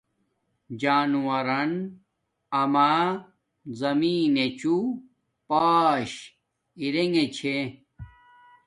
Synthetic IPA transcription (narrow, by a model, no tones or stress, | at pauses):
d͡ʑaːnuwɐɾɐn | ɐmaː | zɐmiːnet͡ɕu | paːɕ | iɾeŋet͡ɕʰe